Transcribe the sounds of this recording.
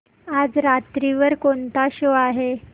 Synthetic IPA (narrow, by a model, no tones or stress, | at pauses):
ad͡zɾat̪ɾiʋəɾkont̪aɕoaɦe